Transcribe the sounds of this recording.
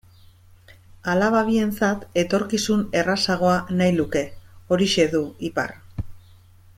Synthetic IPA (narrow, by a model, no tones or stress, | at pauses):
alaβaβie̞nt͡sat̪e̞t̪o̞ɾkisune̞rasaɣ̞o̞anajluke̞o̞ɾiʃe̞ðuipa̰r